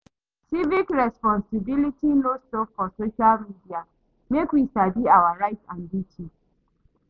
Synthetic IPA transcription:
sivikɹɛspɔ̃nsibilitinostɔkfɔsoʃalmidia | mekwistabiawaɹaɪtsãnditʰi

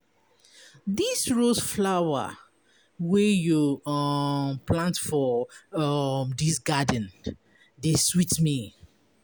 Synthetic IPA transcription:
disɹosflawə̰ | wɛju | plãntfɔ | mdisɡadə̃n | deswitmi

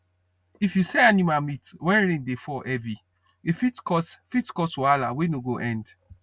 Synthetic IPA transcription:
ifjuseanimamitwɛ̃nɾẽndefɔʔɛvi | efitkɔsfitkɔswala̰wenoɡoʔɛ̃nd

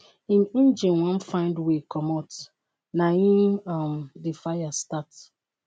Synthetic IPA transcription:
ĩnĩnd͡ʒĩnwãnfãɪ̃ndwekɔmɔt | naĩmamdefajastat

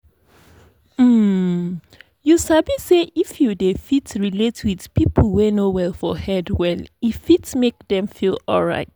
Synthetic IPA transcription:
m̩ | jusabiseʔifjudefitɹiletwið̥pipʰl̩ˠwenowɛlˠfɔhɛdwɛlifitmek̚ðɛ̃mfilɔ̰lˠɹa̰ɪt̚

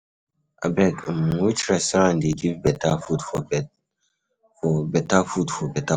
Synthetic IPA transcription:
ʔa̰bɛkmwit͡ʃɹɛsãndeɡivbɛtafudfɔ | fɔbɛtafudfɔbɛta

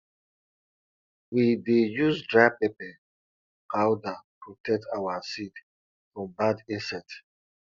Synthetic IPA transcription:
widejuzdɹaɪpepɛ | awdapʰɹotʰɛk̚tʰawasid | fɹɔ̃mbadĩnsɛt

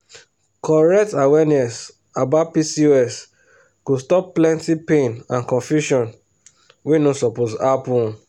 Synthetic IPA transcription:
kɔɹɛk̚tawɛnɛs | abapisiɛs | ɡ̥ostɔpplɛ̃ntipẽnãnkɔ̃nfjuʃɔ̃n | wenõsɔposapɔ̃

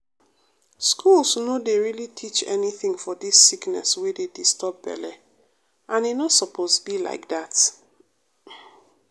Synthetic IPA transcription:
skʰulsnodeɹilitʰit͡ʃɛ̰niθɪ̃ŋfɔdisːiknɛ̰swededistɔp̚bɛ̰lɛ | ʔãnenɔtsɔpʰostbila̰ɪk̚dat

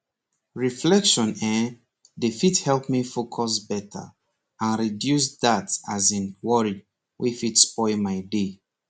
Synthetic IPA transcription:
ɹiflɛkʃɔ̃nɛ | defithɛlpmifokʰɔsbɛtʰə̰ | ãnɹidjus̬datazĩnwɔɹi | wʔifitspɔɪmaɪde

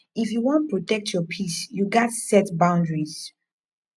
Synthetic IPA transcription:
ifjuwɔ̃ntpɹɔtɛk̚tʰjɔpʰisjuɡɛtsɛtbãʊ̃ndɹiz̥

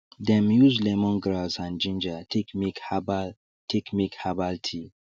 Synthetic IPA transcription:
dɛ̃mjuzlɛmɔ̃nɡɾasãnd͡ʒĩnd͡ʒatikmikb | tʰɛkmikhabaltʰi

